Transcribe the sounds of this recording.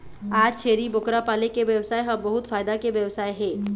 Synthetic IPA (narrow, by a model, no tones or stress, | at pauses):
aːd͡ʒt͡ʃʰeːɾibʊkɾapaːlekeʋjɐʋsaːeɦɐ̃bɐɦʊt̪faːjd̪akeʋjɐʋsaːeɦɛ̃ː